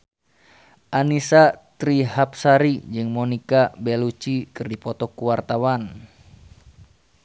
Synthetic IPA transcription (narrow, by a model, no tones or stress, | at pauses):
ʔanisat̪ɾiɦap̚saɾid͡ʒɨŋmɔnikabɛlut͡ʃikɨrdipɔt̪ɔkuwart̪awan